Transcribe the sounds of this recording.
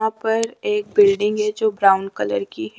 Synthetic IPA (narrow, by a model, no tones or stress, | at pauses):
ãpɐɾeːk̚bɪlɖɪ̃ŋɡɦɛd͡ʒoːbɾaːʊ̃nkɐləɾkiɦ